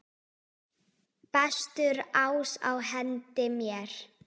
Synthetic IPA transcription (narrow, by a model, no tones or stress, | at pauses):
pɛst̪ʏɾaːwsa̰wɦɛnt̪ɪmjɛɾ̥